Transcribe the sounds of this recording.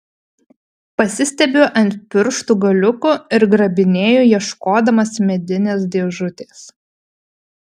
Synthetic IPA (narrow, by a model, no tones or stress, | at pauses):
pɐsʲɪsʲt̪ʲɛbʲoːʔɐnʲtʲpʲɪɾʃt̪uːɡɐlʲʊkʊɪɾɡɾɐbʲɪnʲeːjoːjiɛʃkoːd̪ɐmɐsmʲɛd̪ʲɪnʲeːsd̪ʲeɛʒʊt̪ʲeːs